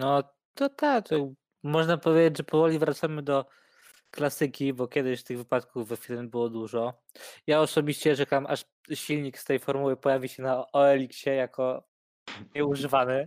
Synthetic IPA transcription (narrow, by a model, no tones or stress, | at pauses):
nɔ | nɔt̪ak̪jaɡb | mɔʐnapɔvʲjed͡ʑed͡ʑʐɛpɔvɔlʲivɾat̪samɘd̪ɔ | klasɘkʲibɔkʲɛd̪ɪɕst̪ɘɣvɘpat̪kuvːɛfʲilmbɘwɔd̪uʐɔ | jaɔsɔbʲiɕt͡ɕɛʐɛkamʔaʂ | ɕilʲɲikst̪ɛjfɔɾmuwɘpɔjavʲiɕɛnaɔɛlʲikɕɛjakʰɔ | ɲɛuʐɘvanɘ